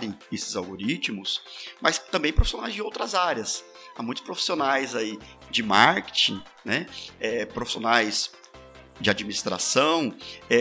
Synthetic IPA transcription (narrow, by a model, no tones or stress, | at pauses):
ɾẽj̃esɪzawɡoɾit͡ʃmʊsmɐst̪ɐ̃mbẽj̃pɾofisonajzd͡ʒɪowt̪ɾɐzaɾjɐs | amũj̃t̪ʊ̥spɾofi̥sionajzai | d͡ʒɪmaɾke̥t͡ʃĩ | nɛɛpɾofi̥sionajs | d͡ʒɪad͡ʒminist̪ɾa̰sɐ̃w̃ɛ